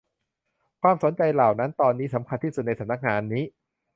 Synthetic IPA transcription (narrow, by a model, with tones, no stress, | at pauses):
kʰwaː˧mso˩˦nt͡ɕa˧jlaː˨˩wna˦˥nt̪ɔː˧nːiː˦˥sa˩˦mkʰa˧nt̪ʰiː˥˩su˨˩t̪na˧jsʰa˨˦na˦˥k̚ŋaː˨˦nːiː˦˥